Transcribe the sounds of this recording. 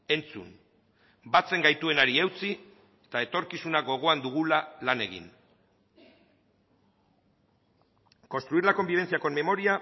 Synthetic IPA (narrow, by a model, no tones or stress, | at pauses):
e̞nt͡sṵn | bat͡se̞ŋɡajt̪ue̞naɾiewt͡si | et̪ae̞t̪o̞ɾkisunaɡo̞ɣ̞o̞and̪uɣ̞ulalane̞ɣḭn | ko̞nst̪ɾuiɾlako̞mbiβ̞e̞nt͡siako̞mme̞mo̞ɾia